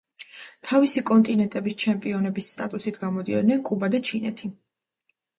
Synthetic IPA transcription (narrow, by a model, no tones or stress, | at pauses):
t̪ʰavisikʼɔnt̪ʼinɛnt̪ʼɛbist͡ʃʰɛmpʼiɔnɛbisːt̪ʼat̪ʼusit̪ʰɡamɔd̪iɛ̰d̪nɛnkʼubad̪at͡ʃʰinɛ̰t̪ʰi